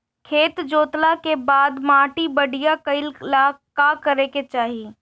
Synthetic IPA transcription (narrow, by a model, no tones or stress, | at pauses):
kʰeːt̪d͡ʒoːt̪lakebaːd̪maːʈibɐɽijakɐɪllakakɐɾeket͡ʃaːɦiː